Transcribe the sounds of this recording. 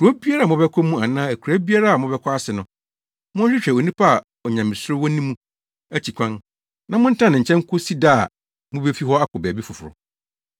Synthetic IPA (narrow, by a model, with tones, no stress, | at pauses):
kɔ˦bi˦a˦ɾa˦˨mʊ̃˦bɛ˦kʰɔ˦mũ˦a˨nãː˦æ˨kʰɾæ˦bi˦a˦ɾa˦˨a˨mʊ̃˦bɛ˦kʰʷɔ˦a˦sɪ˨nʊ̃˨ | mʊ̃˦ɕᶣɪ˦ɕᶣɛ˨o˨nĩ˦pʰa˦a˨ | ɔ˨ɲã˨mɪ̃˨sʊ˦ɾʊ˦wɔ˦nĩ˦mũ˦ | æ˦t͡ɕʰi˨kʷʰã˦n | nã˦mʊ̃˦n̩˦tʰã˦nɪ̃˨ɲ̩˨t͡ɕʰɛ̃˦ŋ˦kʰʊ˦si˦daː˦˨ | mʊ̃˦be˦fi˦ɦɔ˦a˦kʰʊ˨bɛː˨bi˦fʊ˨fʊ˨ɾʊ̰˨